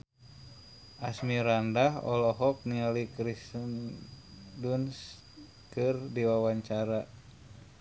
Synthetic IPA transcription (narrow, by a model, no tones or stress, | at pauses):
ʔasmiɾandaɦɔ̰lɔɦɔk̚nialikɾisn | duns | kɨrdiwawaɲt͡ʃaɾa